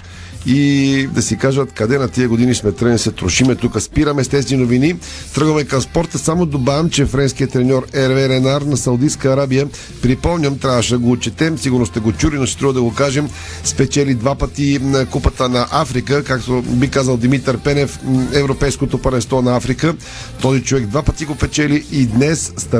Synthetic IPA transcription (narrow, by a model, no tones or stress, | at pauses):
id̪ɐsikaʒət̪kɐd̪ɛnɐt̪iəɡod̪inismɛt̪ɾəɡnisɛt̪ɾoʃimɛt̪ukəspiɾəmɛst̪ɛsinovini | t̪ɾɤɡɐmɛkɐmspɔɾt̪əsamod̪obaɛmt͡ʃɛfɾɛnskijət̪ːɾɛnʲɔɾɛɾvɛɾɛnaɾnɐsɐwd̪iskəːɾabijə | pɾipɔmɲʲəmt̪ɾʲavəʃɛd̪ɐɡoːt͡ʃɛt̪ɛmsiɡʊɾnost̪ɛɡot͡ʃulinosɛ̥t̪ɾuvəd̪ɐɡokaʒɛm | spɛt͡ʃɛlid̪vapɐt̪inkupət̪ənɐʔafɾikəkakt̪obikazəlˠd̪imit̪əɾpɛnɛfɛvɾopɛjskot̪opɐɾɛnst̪vɔnɐafɾikə | t̪ɔzit͡ʃovɛɡd̪vapət̪iɡopɛt͡ʃɛliːd̪nɛsːt̪